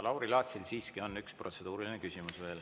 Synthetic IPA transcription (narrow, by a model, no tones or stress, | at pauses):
lɑwɾilɑːt̪silsiːskio̞nːykspro̞t̪se̞d̪uːɾilinekysʲimusve̞ːl